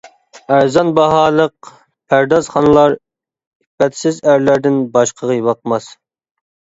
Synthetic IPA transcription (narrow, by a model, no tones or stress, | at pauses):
æɾzɑnbɑɦɑːlˠəq̚ | pʰæɾd̪ɑzχɑnɨlˠɑɾ | ibɛt̪sɪzæɾlæɾd̪ɪnbɑʃqʰəʁəjwɑqmɑs